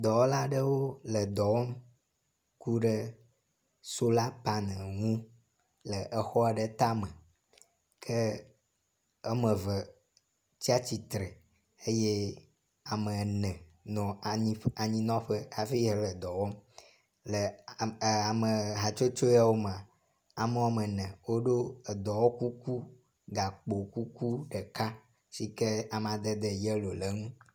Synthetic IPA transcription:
d̪ɔ˨wɔ˦la˦ɖə˦wo˦lə˨d̪ɔ˨wɔ˦m | ku˦ɖə˦ | so˦la˦pa˦nɛ̃˨ŋũ˦ | lə˨ʔə˨xɔ˦a˨ɖə˦t̪a˦mə̃˨ | kʰə˦ | ə˦mə̃˨və˨ | t͡ɕi˦a˦t͡ɕi˨t̪ɾe˨ | e˦je˦ | a˨mə̃˨nɛ̃˨nɔ̃˨i˦a˨ɲĩ˦nɔ̃˦ɸe˦a˨fi˦ɦe˨lɛ˨d̪ɔ˨wɔ˦ | le˨ | a˨me˨ɦa˨t͡ʃo˦t͡ʃo˦ja˦wo˦m˨ã˨ | a˨me˦wa˦me˨nɛ̃˨wo˦ɖo˦e˨d̪ɔ˨wɔ˦ku˦ku˦ | ɡa˨k͡po˨ku˦ku˦ɖɛ˨ka˦ | si˦ke˦a˨m˨a˨d̪e˦d̪ɛ˦˨jɛ˦lo˨le˨ŋũ˦

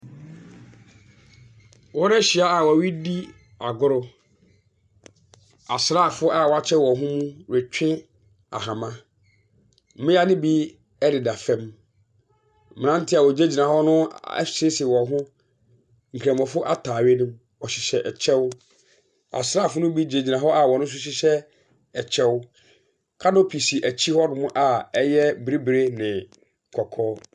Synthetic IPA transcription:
wɔ˦ɾɛ˦ɕi˨a˦a˨wɔ˨wi˦di˦ | a˨ɡʊ˦ɾʊ˦ | a˨sɾa˦˨fʊ˦ʔa˦˨wɔ˨˦a˦t͡ɕʰɛ˦wɔ̃˨ɦʊ̃˦mũ˦ɾɛ˨t͡ɕᶣʰɪ̃˦ | a̰˨ɦã˨mã˦ | mɪ̃˦a˦nɪ̃˦bi˦ | ɛ˦ɾɪ˨da˨fɛ̃˦m | m˨nã˦n̩˦tʰɪ˦a˨wɔ˨d͡ʑe˦d͡ʑi˨nã˨hɔ˦nʊ̃˦ɛ̰˦sɪ˦sɪ˨wɔ̃˨˦ɦʊ̃˦ | ŋ̩˨kʰɾɛ̃˨m˨ɔ̃˨fʊ˦ʔa̰˦tʰaː˨ɥe˦nʊ̃˦ | ɔ˨ɕɪ˨ɕɛ˨ʔɛ˨t͡ɕʰɛ˦w | a̰˨sɾa˦˨fʊ˦nʊ̃˦bi˦d͡ʑe˨d͡ʑi˨nã˨ɦɔ˦ʔa˨wɔ˨nʊ̃˦s̬ʊ˦ɕ̬ɪ˦ɕɛ˦ | ɛ˨t͡ɕʰɛ˦wʊ˦ | kʰa˦dɔ˦pʰi˨si˨ʔæ˨t͡ɕʰi˦hɔ˦nʊ̃˨mʊ̃˦ʔa˨ɛ˦jɛ˦bɾi˦bɾe˦nɪ̃˨ | kʰɔ˨kʰɔː˦

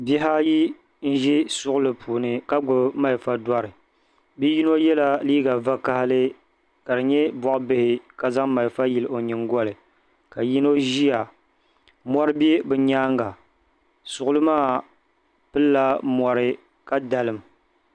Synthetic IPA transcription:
bi˦ɦa˦ji˦ | n̩˦ʒi˦sʊ˦ʔʊ˦lɨ˨pʰuː˨nɨ˨ka˦ɡ͡bʊ˨bma˦˨lfa˦dwɔ˦ɾɨ˨ | bi˦ji˦no˦jɛ˦la˦liː˦ɡa˨va˦ka˦hɪ˦lɨ˦ | ka˨dɨ˨ɲɛ˦bɔ˨ʔʊ˦bɨ˦hɪ˨ka˨za˦ŋma˨lfa˦ji˨lʔo˨ɲɨ˨ŋɡɔ˦lɨ˨ | ka˨ji˦no˦ʒi˦ja˨ | mɔ˦ɾɨ˦bi˦e˦bɨ˨ɲaː˦ŋɡa˨ | sʊ˨ʔʊ˦lɨ˦maː˦˨ | pɨ˦lːa˦mɔ˨ɾɨ˦ | ka˦da˨lɨ˨m

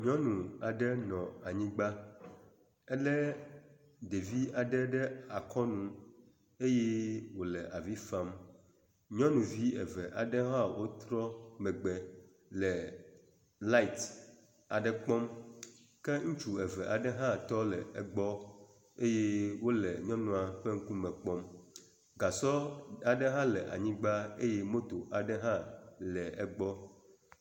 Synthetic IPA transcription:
ɲ˦ɔ̃˦nũ˨a˨ɖɛ˦nɔ̃˨a˨ɲĩ˦ɡ͡ba˦ | ɛ˦lɛ˦ | ɖe˨vi˦a˨ɖɛ˦ɖɛ˦a˨kʰɔ˦nũ˨ | e˦je˦wo˨lɛ˨ʔa˨vi˦fa˦m | ɲɔ̃˦nũ˨vi˦ɛ˨vɛ˨ʔa˨ɖɛ˦ɦã˦wʔo˦t̪ɾɔ˦mɛ̃˨ɡ͡bɛ˨ | lɛ˨ | la˦i˨t̪ | a˨ɖɛ˦k͡pɔ˦m | kɛ˦ŋũ˦t͡ʃu˨ɛ˨vɛ˨ʔa˨ɖɛ˦ɦã˦t̪ɔ˦lɛ˨ɛ˨ɡ͡bɔ˦ | e˦je˦wo˦lɛ˨ɲɔ̃˦nũ˨a˨ɸe˦ŋ̩˦ku˦mɛ̃˨k͡pɔ˦m | ɡa˨sɔ˦a˨ɖɛ˦ɦã˦lɛ˨ʔa̰˨ɲĩ˦ɡ͡ba˦e˦je˦mo˦t̪o˨ʔa˨ɖɛ˦ɦã˦lɛ˨ɛ˨ɡ͡bɔ˦

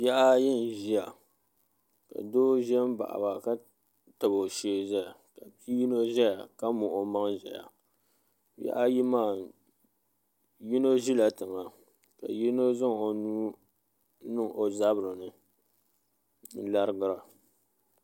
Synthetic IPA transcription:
bjɛ˦ʔa˦jɪ˦˨n˨ʒi˦a˨ | ka̰˨doː˦ʒɛ˦m˦ba̰˨ʔa̰˨ba˨ka˦ | tɨ˨bo˨ʃe˦ʒɛ˦ja˨ka˨pi˦ji˦no˦ʒɛ˦ja˨ka˦mʊ˨ʔo˨ma˦ŋʒɛ̰˨ja̰˨ | bɛ̰˦ʔa˦ji˦maː˦˨ | ji˦no˦ʒi˦la˨tɨ˨ŋa˨ | ka̰˨ji˦no˦za˦ŋo˨nuː˦ | nɨ˦˨ŋʔo˨za˦bɾɨ˨nɨ˨˦ | la˦ɾɨ˦ɡɨ˦ɾa˨

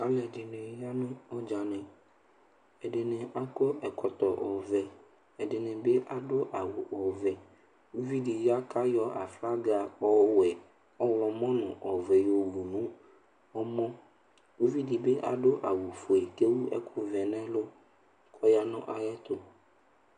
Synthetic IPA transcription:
ka˦lɛ˨ɛ˨dɪ˨nɪ̃˨˦ja˦nʊ̃˦ɔ˦d͡ʒa˨nɪ̃˨ | ɛ˨dɪ˨nɪ̃˨ʔa˦kɔ˦ɛ˨kʰɔ˨t̪ɔ˨ʔɔ˨vɛ˨ | ɛ˨dɪ˨nɪ̃˨be˦ʔa˨dʊ˦ʔa˨wʊ˨ʔɔ˨vɛ˨ | u˦vi˦di˨ja˦ka˦jɔ˦ʔa˨fla˦ɡa˨ɔ˦wɛ˨ | ɔ˦wɔ˨mɔ̃˦nʊ̃˨ʔɔ˨vɛ˨jɔ˨wu˨nʊ̃˦ | ɔ˦mɔ̃˦ | u˦vi˦di˨be˦ʔa̰˨dʊ˦ʔa˨wu˨fo˨ɛ˨ke˦wu˦ɛ̰˦kʰʊ˦vɛ˨nɛ̃˦lʊ˦ | kʰɔ˦ja˦nʊ̃˦ʔa˨jɛ˦t̪ʊ˦

